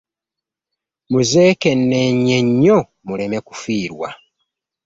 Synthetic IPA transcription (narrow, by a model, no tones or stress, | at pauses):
muze̞ːke̞nːeɲːe̞ɲːo | mule̞me̞ku̥fiːɾwa